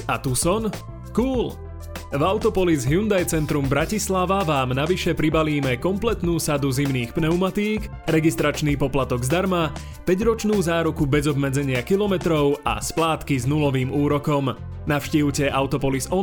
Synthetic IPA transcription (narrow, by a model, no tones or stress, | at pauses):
at̪usɔn | kuːl | vaʊt̪ɔpɔlizɦjund̪ajt͡sɛnt̪ɾumbɾacislaʋaʋaːmnaʋiʃɛpɾibaliːmɛkɔmplɛt̪nuːsad̪uzimniːxpnɛumat̪iːk | ɾɛɡist̪ɾat͡ʃniːpɔplat̪ɔɡzd̪aɾma | pɛɟɾɔt͡ʃnuːzaːɾukubɛzɔbmɛd͡zɛɲɪakilɔmɛt̪ɾɔʊa̰splaːt̪kiznulɔʋiːmuːɾɔkɔm | naʊʃciːʊcɛʔaʊt̪ɔpɔlizɔ